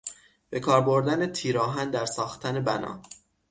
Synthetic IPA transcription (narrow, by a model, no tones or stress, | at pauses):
b̥e̞kʰɒːɾbo̞ɾd̪ænet̪ʰiːɾɒːɦænd̪æɾsɒːxt̪ʰæne̞bæ̰nɒ̰ː